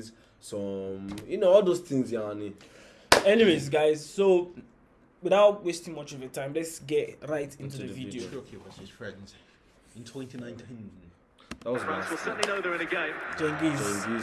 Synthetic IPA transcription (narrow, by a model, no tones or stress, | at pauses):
z | sɔmjunoɔlˠðoz̥θɪ̃ŋzjani | ɛniwezɡaɪzso | wɪðaʊtwestɪ̃ŋmʌt͡ʃɔvətʰãɪ̃mlɛtsɡɛtɹaɪtʰɪ̃ntuðəvidiokʰewɔifɹɛ̃ndz̥ | ɪ̃ntʰw̥ɛ̃ntinãɪ̃ntʰĩn | ðat̚wɔzbaswisɜ˞ʔn̩linoʊðəɹɨ̃nɨɡẽɪ̃md͡ʒɔ̃ŋɡizɔ̃ŋɡi